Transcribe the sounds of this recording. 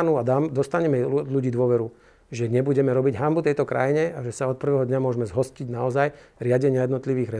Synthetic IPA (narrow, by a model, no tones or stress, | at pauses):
nuad̪amd̪ɔst̪aɲɛmɛʎuɟiːd̪ʋʊɔʋɛɾu | ʒɛɲɛbuɟɛmɛɾɔbiɟɦambut̪ɛjt̪ɔkɾa̰jiɲɛaʒɛsaɔt̪̚pr̩ʋɛɦɔd̪ɲamʊɔʒmɛzɦɔsciɟnaɔzajɾɪaɟɛɲɪajɛd̪nɔt̪liʋiːɣɾɛ